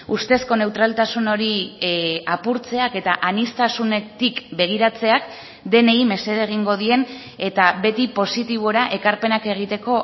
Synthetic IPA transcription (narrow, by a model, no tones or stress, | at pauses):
ust̪e̞sko̞ne̞wt̪ɾalt̪asuno̞ɾi | apuɾt͡se̞ake̞t̪aʔanist̪asune̞t̪ikbe̞ɣ̞iɾat͡se̞ak | d̪e̞ne̞jme̞se̞ðeɣ̞iŋɡo̞ð̞ie̞n | e̞t̪abe̞t̪ipo̞sit̪iβ̞o̞ɾaʔe̞kaɾpe̞nake̞ɣ̞it̪e̞ko̞